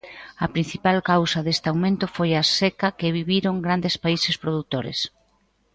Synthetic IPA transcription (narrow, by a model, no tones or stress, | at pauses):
ɐpɾĩn̟θipalkawsɐðest̪awmẽnt̪ʊfojasekɐkɪβiβiɾoŋɡɾand̪espaisespɾoðut̪oɾḛs